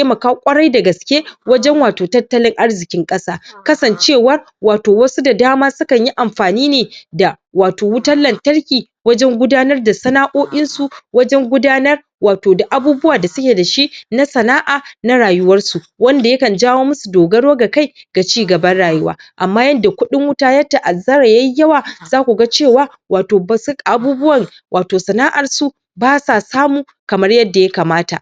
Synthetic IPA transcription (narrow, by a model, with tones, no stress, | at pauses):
te˦mɐ˨kaː˦kʷʼɐ˦ɽɐ˦jda˨ɡɐ˨skʲe˦wɐ˦d͡ʒɛ˦ŋwaː˨toː˨tɐ˦tːɐ˦lɪ˦ŋʔa˦rzɪ˨kʲɪ˦ŋkʼɐ˦saː˦kɐ˦sɐ˨nt͡ʃeː˦˨wɐ˦r | waː˨toː˨wɐ˦su˦da˨daː˦maː˦sʊ˦kɐ˨ɲji˦ʔa˨mɸaː˨niː˦neː˨da˨ | waː˨toː˨wʊ˦tɐ˦lːɐ˨ntɐ˦ɽkʲiː˨ | wɐ˦d͡ʒɛ˦ŋɡʷʊ˦daː˦nɐ˦rda˨sɐ˦naː˦ʔoː˦ʔʲɪ˦nsu˨wɐ˦d͡ʒɛ˦ŋɡʷʊ˦daː˦nɐ˦r | waː˨toː˨da˨ʔa˦buː˦bʊ˦waː˨da˨sʊ˦kʲe˨da˨ʃi˦na˦sɐ˨naː˦ʔaː˨na˦ɽaː˨jʊ˦wɐ˦rsu˨wɐ˦nda˨jɐ˦kɐ˨nd͡ʒaː˦woː˦mʊ˦su˨doː˨ɡɐ˦ɽoː˦ɡa˨ka˦jɡ̥a˨t͡ʃiː˦ɡɐ˨bɐ˦nɽaː˨jʊ˦waː˦ʔa˨mːaː˦jɐ˦nda˨kʷʊ˦ɗɪ˦ŋwʊ˦taː˦jɐ˦ta˨ʔa˨zɐ˦ɾa˨ja˦jjɐ˦waː˨zaː˦kʷu˨ɡa˦t͡ʃeː˦˨waː˦ | waː˨toː˨ba˨su˦kʼa˨ʔa˦buː˦bʊ˦wɐ˨ŋ | wʔaː˨toː˨sɐ˨naː˦ʔa˨rsu˨ | baː˦sa˨saː˦muː˨ | kɐ˨mɐ˦rjɐ˦dːa˨ja˦kaː˨maː˦ta̰˨ʔ